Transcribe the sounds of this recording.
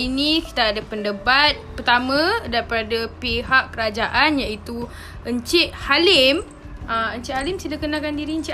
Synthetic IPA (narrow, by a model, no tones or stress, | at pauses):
inĩki̥t̪aːdapəndəbat̪̚pərt̪amə̃daɾipadapiɦaʔkəɾad͡ʒaʔanjait̪u | əɲt͡ʃɪʔhalɪm | əməɲt͡ʃɪʔhalɪmsidakənãkandiɾiəɲt͡ʃi